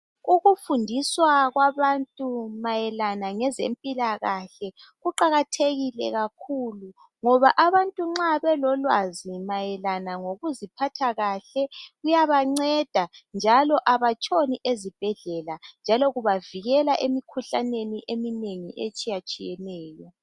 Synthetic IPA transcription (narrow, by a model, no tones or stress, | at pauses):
uɣufundʱiswaɣwaβantʼumajɛlanaŋɛzḛmpʼilaɣaɬɛ | ɣuǃaɣatʰeɣilɛ̰ɣakʰulu | ŋɔβaʔaβantʼuŋ͡ǁaβɛlɔlwazimajɛlanaŋoɣuzipʰatʰaɣaɬɛɣujaβaŋ͡ǀɛd̥ʱand͡ʒʱalɔʔaβat͡ʃʼoniʔezib̥ʱɛɮɛland͡ʒʱalɔɣuβaviɣɛlaʔemikʰuɬaneniʔemineŋiʔet͡ʃʼijat͡ʃʼijɛnɛːjɔ